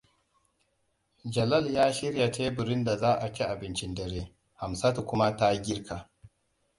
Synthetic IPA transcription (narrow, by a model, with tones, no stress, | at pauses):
d͡ʒɐ˨lɐ˦˨ljaː˦ʃɪ˦ɽja˨teː˦bʊ˨ɾɪ˦nda˨zaː˦ʔa˨kʲi˦ʔa˨bɪ˦nt͡ʃɪ˦ndɐ˨ɾeː˦ | ha˨msa˦tu˨kʷʊ˦ma˦ta˦ɡʲɪ˦ɾkʰa˨